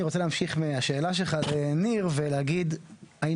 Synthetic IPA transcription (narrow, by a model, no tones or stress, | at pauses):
iʁot͡seleːmʃiχmeaʃe̞ːlaʃ̬elχaleniʁveleaɡid̪ai